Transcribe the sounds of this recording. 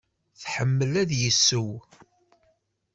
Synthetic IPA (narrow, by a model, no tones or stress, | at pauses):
θħəmːəlæðjəsːəw